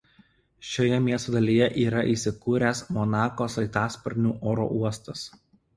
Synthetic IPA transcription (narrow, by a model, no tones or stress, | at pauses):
ʃʲoːjɛmʲiɛst̪oːd̪ɐlʲijɛʔiːɾɐʔiːsʲɪkuːɾʲæsmɔnɑːkoːsɐɪt̪ɑːspɔɾʲnʲuːʔoːɾo̰ːʔuɔst̪ɐs